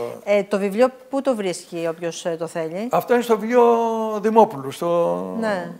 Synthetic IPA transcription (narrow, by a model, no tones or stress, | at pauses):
et̪o̞vivlʎioput̪ovɾiscio̞pçost̪oθe̞ʎiɐft̪oinest̪ovjoðimopulust̪one